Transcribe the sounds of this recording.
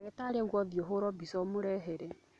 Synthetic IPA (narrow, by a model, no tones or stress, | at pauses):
ɾetaɾeɡwɔðjoɦoɾɔbisɔmuɾeɦeɾe